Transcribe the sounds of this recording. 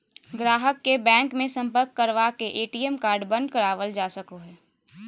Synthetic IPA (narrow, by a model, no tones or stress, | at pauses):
ɡɾaːɦəkːebɛ̃ːŋkmẽsɐ̃mpəɾkːəɾʋakeʔeːʈiːɛmkaːɾɖbɐ̃nd̪̚kəɾaːʋəld͡ʒaːsəkoɦɛː